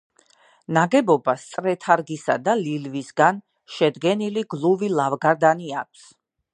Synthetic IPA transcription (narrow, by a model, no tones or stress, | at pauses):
naɡɛbɔbast̪sʼɾɛt̪ʰaɾɡisad̪alilvisɡan | ʃɛd̪ɡɛniliɡlˠuvilˠavɡaɾd̪aniak̚ʷʰs